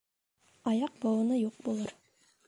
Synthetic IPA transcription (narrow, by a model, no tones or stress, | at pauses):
ɑjɑq̚bɑwɤ̆nɤjuq̚bulˠɤɾ